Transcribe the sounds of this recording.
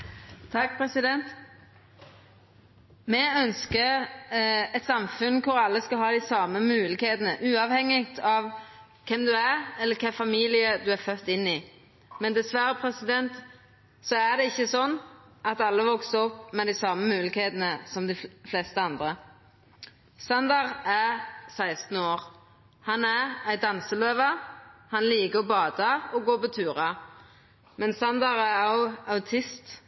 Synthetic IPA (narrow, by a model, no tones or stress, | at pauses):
t̪ʰɑkːpʰɾɛsɪd̪ɛnt̪ | mɛœnskə | ɛt̪sɑmfʉnkʰʊɾɑlːəskɑlɦɑːd̪ɪsɑːməmʉːlɪkheːd̪ənəʔʉːɑʋhɛŋːɪɡt̪ʰɑʋ | kʰɛmd̪ʉæɾɛlːəɾkʰæfɑmiːlɪəd̪ʉæɾfœt̪ːɪnːɪ | mɛnd̪ɛsʋæɾəpʰɾɛsɪd̪ɛnt̪ | sɔæd̪ɛɪçːəsɔnː | ɑt̪ɑlːəʋɔksəɔpːmɛd̪æɪsɑməmʉːlɪɡkheːt̪ənəsɔmd̪ɪflɛst̪əɑnd̪ɾə | sɑnd̪ɑʁæsæɪst̪n̩oːɾ | hɑnæɾæɪd̪ɑnsəløːʋɑhɑnliːɡəɔbɑːd̪ɑɔɡoːpɔt̪ʰʉːɾɑ | mɛnsɑnd̪ɑʁæɑʊɑʉt̪ʰɪst̪